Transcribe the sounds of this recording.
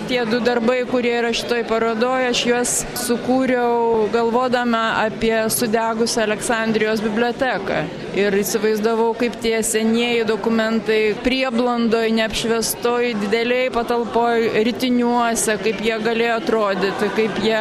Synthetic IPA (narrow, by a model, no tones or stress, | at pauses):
t̪ʲiɛd̪ʊd̪ɐrbɐɪkʊɾʲiɛɪɾɐʃʲɪt̪oːjpɐɾoːd̪oːjʊɐʃjuɔs | sʊkuːɾʲɛʊɡɐlˠʋoːd̪ɐmʲɐɑpʲiɛsʊd̪ʲæːɡʊsʲɛɐlʲɛksɐˑnʲd̪ʲɾʲɪjoːsbʲɪbʲlʲoːt̪ʲæːkɐ̰ | ɪɾɪsʲɪʋɐɪzd̪ɐʋɐʊkɐɪpt̪ʲiɛsʲɛnʲiɛjɪd̪oːkʊmʲɛnt̪ɐɪpʲɾʲiɛblˠɐnd̪oːjnʲɛɐpʲʃʲʋʲɛst̪oːjd̪ʲɪd̪ʲɛlʲɛɪjpɐt̪ɐlˠpoːjɾʲɪt̪ʲɪnʲuɔsʲɛkɐɪpjiɛɡɐlʲeːjoːɐt̪ɾoːd̪ʲɪt̪ʲɪkɐɪpjiɛ